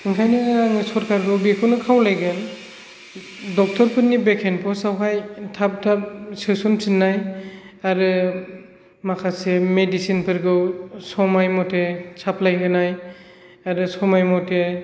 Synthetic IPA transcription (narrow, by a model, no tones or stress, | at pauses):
ɯŋkʰajnɯaŋisɔɾkaɾɡɯwbikʰɯwnɯkʰawlajɡɯn | dɔk̚tʰɔɾpʰɯnːibekʰenpʰɔsawɦajtʰap̚tʰap̚sɯsunsinːaj | aɾɯ | makʰasemedisinpʰɯɾɡɯwsɔmajmɔtʰesʰaplajɡɯnaj | aɾɯsɔmajmɔtʰe